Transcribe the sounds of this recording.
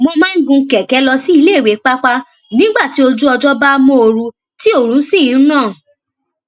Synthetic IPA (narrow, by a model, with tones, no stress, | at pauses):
mo˧mãː˦n̩˦ɡũ˧˦kɛ˨kɛ˨˦lɔ˧si˦i˧leː˦˨we˨˦k͡pa˦k͡pa˦ | nĩ˦ɡ͡ba˦˨ti˨˦o˧d͡ʒu˦ɔ˧d͡ʒɔ˦ba˦mõ˦o˧ɾũ˧ | ti˦o˦˨ɾũ˨˦sĩ˦˨˦nãː˦˨